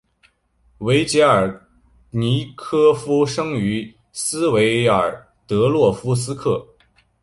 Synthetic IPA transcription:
we˧˥ɪt͡ɕjɛ˧˥ə˞˨˩ | ni˧˥kʰɤ˥fu˥ʂɤ˥ŋy˧˥ | sɹ̩˥we˧˥ɪə˞˨˩ | t̪ɤ˧˥lwɔ˥˩fu˥s̬ɹ̩˥kʰɤ˥˩

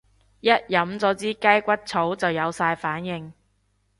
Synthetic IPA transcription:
jɐ˥t̚jɐ˨˥mt͡sɔː˨˧˥t͡siː˥kɐ˥jkʷɐ˥t̚t͡sʰo˨˥wt͡sɐ˨wjɐ˨˧wsaː˧jfaː˨˥njɪ˨˧ŋ

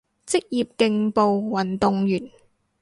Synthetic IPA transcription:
t͡sɪ˥k̚jiː˨˩p̚kɪ˧ŋpo˨wwɐ˨˩nt̪ʊ˨ŋjyː˨˩n

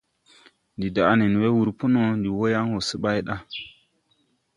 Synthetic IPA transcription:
ndi˨da˨˦ni˨n˨we˦wu˨ɾpu˦no˦ndi˨wo˦ja˦ŋwo˨sə˦ɓa˦jɗa˦

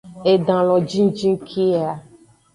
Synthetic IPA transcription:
e˨ɖã˨lɔ̃˨d͡ʒĩ˦d͡ʒĩ˦ŋ˦kʰi˦a˨

